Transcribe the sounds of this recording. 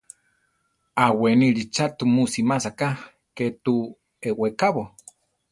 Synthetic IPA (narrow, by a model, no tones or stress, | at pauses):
aweniɺit͡ʃat̪umusimasaka | ket̪u | ewekaβo